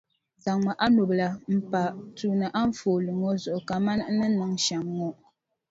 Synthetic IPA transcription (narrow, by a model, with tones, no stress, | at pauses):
za˨ŋŋ͡ma˨ʔa˦no˨bla˨m̩˨pa˨tuː˦nɨ˨ʔa˦ɱ˦foː˨lɨ˨ŋɔ˦zʊ˨ʔʊ˨ka˨ma˦n˦nɨ˦nɨ˨ŋʃa˨ŋːɔ˦